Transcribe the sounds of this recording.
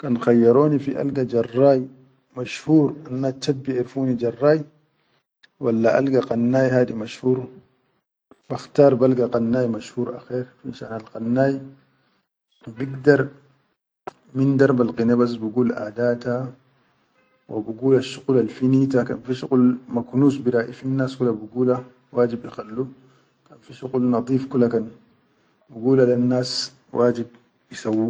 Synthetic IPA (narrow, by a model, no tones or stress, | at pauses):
kanxajːɑɾoːnifiʔa̰lɡad͡ʒɑrˤːaːj | maʃhuːɾanːat͡ʃːabːiʔeɾfuːnid͡ʒɑrˤːaːj | walːaʔa̰lɡaqɑnːaːjhaːdimaʃhuːɾ | b̥axt̪aːɾˤbalɡaqanːaːjmaʃhuːɾʔa̰xeːɾfiʃa̰ːnalqanːaːj | biɡd̪ɑɾˤ | mind̪ɑɾˤbalqinebas̬buɡuːlʔa̰ːd̪aːt̪a | wʔa̰buɡuːlaʃːuqlalfinit̪aka̰nfiʃuqulmaknuːsbiɾaːʔifinːaːskulabuɡuːla | waːd͡ʒibʔixalːu | kanfiʃuqulnɑd̪ˤiːfkulːakan | buɡuːlalanːaːs | wʔaːd͡ʒib̚ | jisawːu